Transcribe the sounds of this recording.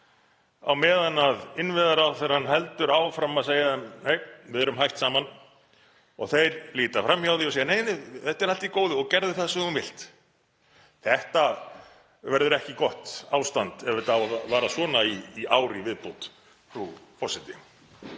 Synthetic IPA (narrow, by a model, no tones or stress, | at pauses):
a̰wmɛːðanaðɪnvɪðaɾawθɛɾhanːɦɛlt̪ʏɾaːwfɾamaðseːjaðɛmneːjvɪðɛɾʏmɦajht̪saːman | ɔɣθejɾliːt̪afɾamçawðiɔseːjaneːjneθɛht̪ɛɾalt̪ikoːwðʏɔɣcɛɾðʏθaðsɛmðunvɪl̥t̪ | θɛht̪a | vɛɾðʏɾɛhcɪkɔht̪aːwst̪ant̪ɛvɪt̪awaðvaːɾasɔːnaiːaːwɾɪivɪðpowt̪ | fɾupʰɔsɪt̪ɪ